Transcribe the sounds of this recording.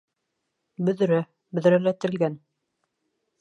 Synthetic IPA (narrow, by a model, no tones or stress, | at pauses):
bɵ̆ð̆ɾæ | bɵ̆ðɾælæt̪ɘ̆lɡæn